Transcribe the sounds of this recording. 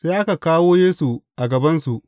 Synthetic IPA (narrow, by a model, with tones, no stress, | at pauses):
seː˦ʔa˦ka˨kaː˦woː˦jeː˦su˨ʔa˨ɡɐ˨bɐ˦nsu˨ʔ